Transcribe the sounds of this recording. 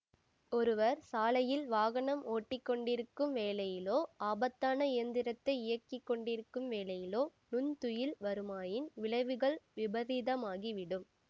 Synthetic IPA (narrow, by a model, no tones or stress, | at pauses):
ɔɾɯʋɐɾsaːlɐjɪlʋaːɣɐɳɐmoːʈːɪkːɔɳɖɪɾɯkːɯmʋeːlɐjɪloːaːbɐt̪ːaːnɐɪjɐnd̪ɪɾɐt̪ːɐɪɪjɐkːɪkːɔɳɖɪɾɯkːɯmʋeːlɐjɪloːnʊnt̪ʊjɪlʋɐɾɯmaːjɪnʋɪɭɐɪʋɯɣɐɭʋɪbɐðɪðɐmaːɣiʋɪɽɯm